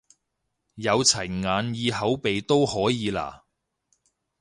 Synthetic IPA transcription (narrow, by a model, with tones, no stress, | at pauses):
jɐ˨˧wt͡sʰɐ˨˩jŋaː˨˧njiː˧ɦɐ˨˥wpe˨jt̪o˥whɔː˨˥jiː˨˧la̰ː˨˩